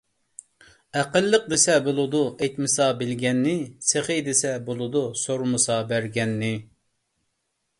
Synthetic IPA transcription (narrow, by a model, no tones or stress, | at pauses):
æqəlˠːəq̚d̪esɛbolˠʊd̪uʔɛjt̪mɨsɑbɪlɡʲɛnːɪseχɨd̪ɪsɛbolˠɨd̪usoɾmɨsɑbæɾɡʲɛnːɪ